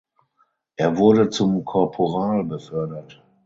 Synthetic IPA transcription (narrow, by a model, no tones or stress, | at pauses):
ʔeːɐvʊɐdət͡sʊmkʰɔɐpʰoʁaːlbəfœɐdɐt